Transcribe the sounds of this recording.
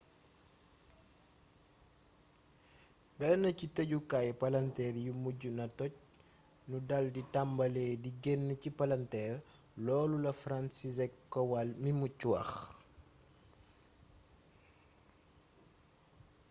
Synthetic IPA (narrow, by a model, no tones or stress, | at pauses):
bɛnɐcitɐɟukajpɐlɐntɛːrjumuɟunɐtɔc̚ | nudɐlditambɐleːdiɡɛnːəcipɐlɐntɛːr | lɔːlulɐfransizɛkːɔwalmimucːuwɐ̰x